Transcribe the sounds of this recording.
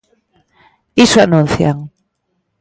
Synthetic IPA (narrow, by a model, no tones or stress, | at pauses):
isoanũn̟θja̰ŋ